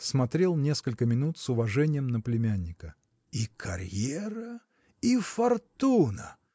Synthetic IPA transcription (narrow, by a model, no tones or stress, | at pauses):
smɐt̪ɾʲe̞lˠnʲe̞skəlʲkəmʲɪnut̪sʊvɐʐɛnʲɪjəmnəplʲɪmʲænʲːɪkə | ikʰɐ̰ɾʲjeɾə | ifɐrt̪unə̰